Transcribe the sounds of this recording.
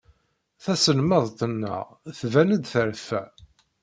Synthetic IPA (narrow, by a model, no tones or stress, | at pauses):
θæsəlməðˤt̪ənːə̰ʁ | θvænəd̪θəɾfæ